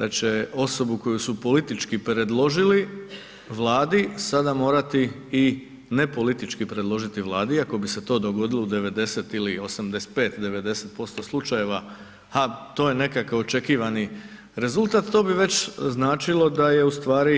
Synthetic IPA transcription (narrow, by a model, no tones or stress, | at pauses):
d̪at͡ɕe̞o̞so̞buko̞jusupo̞lit̪it͡ʃkipɾe̞d̪lˠo̞ʒili | ʋlˠaːd̪isad̪amo̞ːɾat̪iː | ne̞po̞lit̪it͡ʃkipɾed̪lˠo̞ʒit̪iʋlˠaːd̪iiako̞bise̞t̪o̞ːd̪o̞ɡo̞d̪iloud̪e̞ʋe̞d̪e̞set̪ilio̞samd̪espe̞ːt̪d̪e̞ʋe̞d̪e̞set̪po̞st̪o̞slˠut͡ʃaje̞ʋa | hat̪o̞ːje̞ne̞kakao̞t͡ʃe̞kiːʋani | ɾe̞zulˠt̪aːt̪t̪o̞ːbiʋe̞t͡ɕznaːt͡ʃilˠo̞d̪aje̞ust̪ʋaːɾi